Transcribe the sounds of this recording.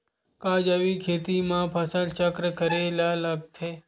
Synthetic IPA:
kaːd͡ʒaʋikʰeːt̪imãpʰəsəlt͡ʃəkɾəkəɾelaləɡ̚t̪ʰeː

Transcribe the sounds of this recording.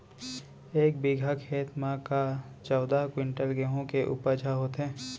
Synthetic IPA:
eːk̚biɡʱəkʰeːt̪maka | t͡ʃɔːd̪akwɪ̃ɳʈəlɡeɦõkeʔʊpəd͡ʒʱaɦoːt̪ɦɛː

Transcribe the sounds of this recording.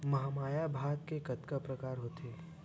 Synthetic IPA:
mɐɦaːmaːjabʱaːt̪kekɐt̪kapɾɐkaːɾɦoːt̪eɛ

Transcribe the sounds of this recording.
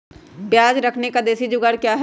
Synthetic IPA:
bjaːd͡ʒɾɐkʰnekad̪eːsid͡ʒʊɡaɽkjaːɦɛ

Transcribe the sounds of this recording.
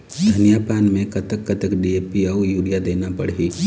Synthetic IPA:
d̪ʱɐnjapaːnmẽkɐt̪əkːɐt̪əkɖieːpiɔːjuːɽijad̪eːnapɐɽɦiː

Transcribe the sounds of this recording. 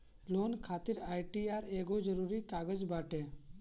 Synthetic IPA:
loːnkʰaːt̪ɪɾaːjʈiaːɾeːɡod͡ʒəɾuːɾikaːɡəd͡ʒbaːʈeː

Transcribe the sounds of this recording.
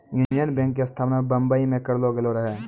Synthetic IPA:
jʊnijənbẽːŋkkest̪ʰaːpnabəmbəimẽkəɾloɡəloɾəɦeː

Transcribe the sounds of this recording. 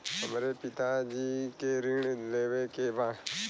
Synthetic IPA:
ɦəmɾepɪt̪ad͡ʒiːkeɾɪɳ̃leːʋekebãː

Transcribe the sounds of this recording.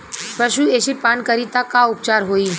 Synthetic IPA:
pɾəʃueʃipankəɾit̪akaʊp̚t͡ʃaɾɦoi

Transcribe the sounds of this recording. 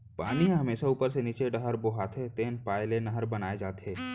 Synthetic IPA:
paːnijãɦɐmeːʃauːpəɾseniːt͡ʃeɖɐɦəɾboːɦaːt̪ʰɦet̪eːnpaːɪlenɐɦəɾbɐnaːed͡ʒaːt̪eː

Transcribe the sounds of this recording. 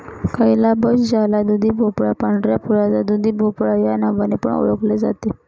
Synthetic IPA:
kajlabəsd͡ʑalad̪ud̪ʱiːbʱopɽapaɳɖɾjapuɽad͡zad̪ud̪ʱiːbʱopɽajanaʋanepə̰ɳo̰ɭəkled͡za̰t̪e

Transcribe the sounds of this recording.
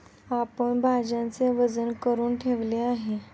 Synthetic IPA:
apəɳbʱad͡ʑãnt͡seʋəd͡zənkəɾuːnʈʰeʋleaɦe

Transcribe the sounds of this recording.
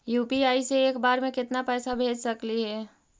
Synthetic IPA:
juːpiaːiseeːkbaːɾmẽkɪt̪napɛːsabʱeːd͡ʒsəkliɦɛː

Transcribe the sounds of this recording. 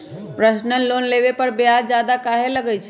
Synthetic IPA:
pɾəʃnənlonleβepəɾbjad͡ʒjaːd̪akaɦeləɡət͡ʃʰ

